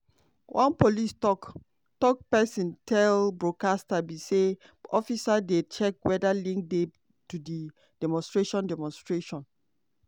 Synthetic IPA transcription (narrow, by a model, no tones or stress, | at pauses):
wʔãnpolistɔk | tɔk̚pɛsĩntʰɛlbɹokastabise | ɔfisadet͡ʃɛk̚wɛdalĩŋk̚dɛ | tudi | dɛmɔ̃nstɹeʃɔ̃ndɛmɔ̃nstɹeʃɔ̃n